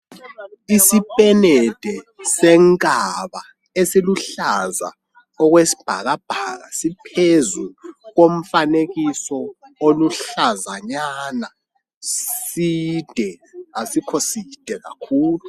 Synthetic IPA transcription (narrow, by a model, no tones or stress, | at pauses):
isipʼɛnɛd̥ʱɛsɛŋkʼaβa | esiluɬaza̰ | ɔɣwesi̥b̥ʱa̰ɣab̥ʱaːɣa̰sipʰezuɣom̩faneɣisɔoluɬazaɲana | sid̥ʱɛasikʰosid̥ʱɛɣa̰kʰuːlu